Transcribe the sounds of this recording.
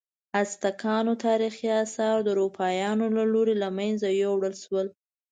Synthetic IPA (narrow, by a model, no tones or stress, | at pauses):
ast̪akʰɑnot̪ɑɾixiasɑɾd̪əɾopʰɑjɑnolaloɾelamanzajowɽəlʃwəl